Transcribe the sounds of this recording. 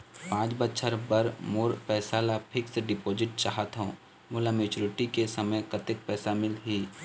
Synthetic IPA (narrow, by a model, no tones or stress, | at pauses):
pãːt͡ʃbətːʃʰəɾbəɾmoːɾpɛːsaːlapʰɪksɖɪpoːd͡ʒɪʈ̚t͡ʃaɦət̪ɦõː | mʊːlameːt͡ʃuɾɪʈikesəməjkət̪ɪk̚pɛːsamɪlɦiː